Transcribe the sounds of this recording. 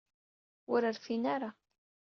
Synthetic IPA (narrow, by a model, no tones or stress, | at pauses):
ʊɾəɾfinaɾa